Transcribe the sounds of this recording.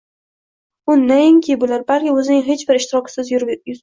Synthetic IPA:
ʊnːaɪŋkʲʰeɪbʊlaɾbalkʲɪɵzɪnɪŋɦe̞t͡ʃbɪɾɪʃt̪ɪɾɒkʲɪ̥sɪzj̪

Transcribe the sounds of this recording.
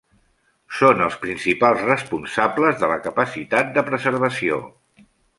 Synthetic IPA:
sonəlˠspɾinsipalˠzrəspunsabləzðələkəpəsit̪at̪̚d̪əpɾəzəɾβəsio̰

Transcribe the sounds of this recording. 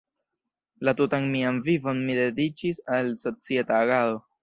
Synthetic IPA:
latutanmianvivo̞nmide̞dit͡ʃisalso̞t͡sie̞taːɡalo

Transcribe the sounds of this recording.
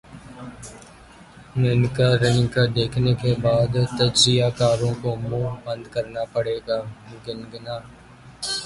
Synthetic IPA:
nɪnkaɾɪnɪkad̪eːkʰnekebaːd̪t̪əd͡ʒzɪjakaːɾõkomũːbə̃nd̪kəɾnapəɽeːɡaːɡɪnɡnaː

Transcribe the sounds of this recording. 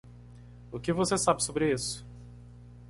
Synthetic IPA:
ʊkɪvosesabɪsobɾɪisʊ̥

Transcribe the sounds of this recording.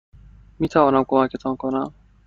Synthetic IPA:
miːt̪ʰævɒːnæmkʰomækʰet̪ʰɒːnkʰonæm

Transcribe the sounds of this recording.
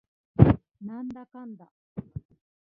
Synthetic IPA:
nãnd̪akãnd̪a

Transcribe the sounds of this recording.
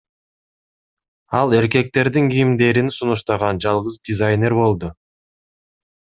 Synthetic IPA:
ɑlˠe̞ɾke̞k̚t̪e̞ɾd̪iŋɡijimd̪e̞ɾinsunuʃt̪ɑʁɑnd͡ʒɑlˠʁɯzd̪ʲizajnʲe̞ɾbo̞lˠd̪ʊ

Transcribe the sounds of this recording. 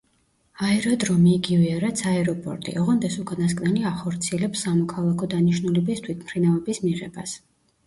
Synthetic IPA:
aɛɾɔd̪ɾɔmiːɡivɛaɾat̪sʰaɛɾɔpʼɔ̰ɾt̪ʼḭʔɔʁɔnd̪ɛsukʼanas̬kʼnɛliaχɔɾt̪sʰiɛlɛpsːamɔkʰalˠakʰɔd̪aniʃnulɛbist̪ʰwit̪ʰmχɾinavɛbismiʁɛba̰s

